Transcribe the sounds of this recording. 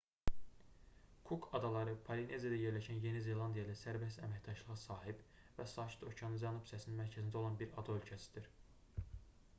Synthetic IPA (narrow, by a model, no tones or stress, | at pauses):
kʰukʰɑd̪ɑlˠɑɾɯpʰɑline̞ziad̪æje̞ɾlæʃænje̞nize̞lˠɑnd̪ijɑlæsæɾbest̪æmæcd̪ɑʃlˠɯʁɑsɑːɦib | væsɑːʃi̥t̪ʰo̞cʰɑnɯnzænupsæsininmæɾcʰæzind̪æo̞lˠɑnbiɾɑ̰d̪ɑølʲcʰæsi̥d̪iɾ